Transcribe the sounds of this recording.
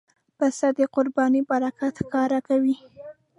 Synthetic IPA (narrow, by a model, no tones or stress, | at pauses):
basad̪əqʊɾbɑnibaɾakat̪xkɑɾakawi